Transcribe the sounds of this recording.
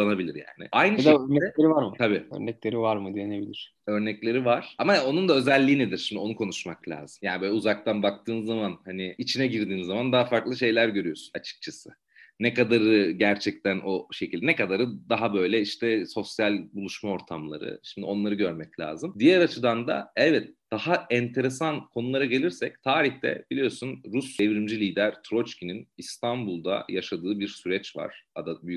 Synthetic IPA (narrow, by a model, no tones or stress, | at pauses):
anabilʲḭɾja̰ːnɪ̰ajnɯɛʃd̪øɾnɛɛeɾivaɾmɯt̪ʰabiːø̰ɾnɛclʲeɾivaɾmɯd̪ienebilʲiɾ̥ | ø̞ɾnɛclʲe̞ɾivaɾ̥amao̞nund̪aø̞zɛlʲːiːned̪iɾ̥ʃimd̪io̞nukʰo̞nuʃmaklʲa̰ːz̥ɯmjaːnibøːlʲɛuzak̚t̪anbak̚t̪ʰɯːnɯzːamanhanɪit͡ʃʰinɛɟiɾd̪iːnizːamand̪aɦafaɾklˠɯʃe̞jlʲæɾɟø̞ɾyjo̞sunat͡ʃʰɯ̥k̚t͡ʃʰasɯ | nɛkad̪aɾɯɟæɾt͡ʃʰɛc̚t̪ʰænʔo̞ʃecʰilʲd̪ɛnɛkad̪aɾɯd̪aɦabø̞jlʲɛiʃt̪ʰɛso̞sjalʲbulˠuʃmao̞ɾt̪ʰamlˠa̰ɾɯ̰ʃimd̪io̞nlˠaɾɯɟøɾmɛclʲa̰ːzɯmd̪ijɛɾat͡ʃʰɯd̪and̪a̰ɛvɛt̪̚d̪̥ahaɛnt̪ʰe̞ɾesankʰo̞nulˠaɾaɟe̞lʲiɾsɛc̚t̪ʰaːɾiçt̪ʰɛ̰b̥ilʲijo̞sunɾusevɾimd͡ʒilʲiːd̪æɾt̪ʰɾo̞t͡ʃcininist̪ʰanbulˠd̪a̰jaʃad̪ɯːbiɾsyɾɛt͡ʃva̰ɾ̥ad̪abyjy